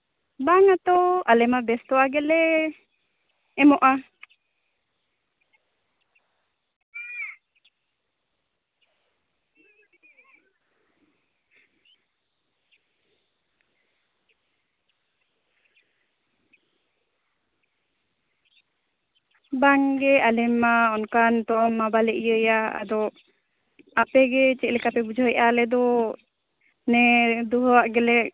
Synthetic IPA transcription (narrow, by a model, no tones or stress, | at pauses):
baŋat̪oʔalɪmabɛst̪uaɡɪle | ɪmoʔa | baŋɡɛalɛmaɔnkant̪ɔmːabalɛʔijəjaa̰d̪ɔ | aʔpɛɡɛt͡ʃɛʔ̚lɛkapɛbud͡ʒaɦjʔalɛd̪ɔ | nɛd̪uɦɔwaʔɡɛlɛ